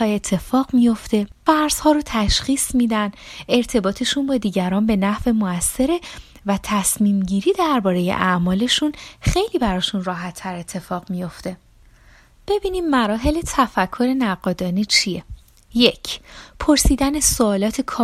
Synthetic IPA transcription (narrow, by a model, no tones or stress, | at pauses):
ɒːe̞t̪ʰːe̞fɒːɣmijo̞ft̪efæɾz̥hɒːɾot̪ʰæʃχiːsmiːd̪æne̞ɾt̪ʰe̞bɒːt̪ʰe̞ʃunbɒːd̪iːɟæɾɒːmbe̞næhve̞moæsːe̞ɾe̞ | væt̪ʰæsmiːmɟiːɾiːd̪æɾbɒːɾe̞je̞̰ʔæʔmɒːle̞ʃunxe̞jliːbæɾɒːʃunrɒːɦæt̪ʰːæɾe̞t̪ʰːe̞fɒːɣmijo̞ft̪e̞ | b̥e̞biːnid̪mæɾɒːɦe̞let̪ʰæfækʰːo̞ɾe̞næɢɒːd̪ɒːnit͡ʃʰije | je̞cʰpʰo̞ɾsiːd̪ænesoɒːlɒːt̪ʰekʰɒː